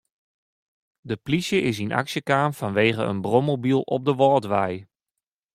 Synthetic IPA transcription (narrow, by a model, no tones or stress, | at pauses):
dəplisjəʔɪs̬ina̰ksjəkaːmfanʋeːɣəə̰nbromobilˠɔ̰p̚dəʋɔːtʋɛj